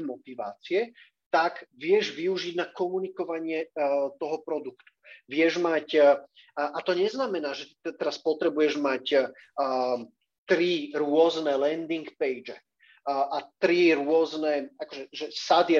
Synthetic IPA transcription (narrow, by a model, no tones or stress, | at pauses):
mɔt̪iʋa̰ːt͡siɛ | t̪aɡʋɪɛʒʋiuʒiɟnakɔmunikɔʋaɲɪɛt̪ɔɦɔpɾɔd̪ukt̪u̥ʋɪɛʒmac | ʔat̪ɔɲɛznamɛnaːʒɛt̪t̪ɛɾaspɔt̪ɾɛbujɛʒmacː | t̪ɾiɾʊɔznɛlɛnd̪iŋkpɛjd͡ʒɛ | ʔat̪ɾiɾʊɔznɛakɔʒɛʒɛsad̪i